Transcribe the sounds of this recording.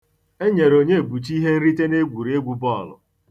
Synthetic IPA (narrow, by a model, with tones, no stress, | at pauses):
e˦ɲe˨ɾo˨ɲe˦˨bu˨t͡ʃi˦ɦe˦n̩˦ɾi˦te˦ne˦ɡʷu˨ɾe˦ɡʷu˨bɔ˦˨lʊ̰˨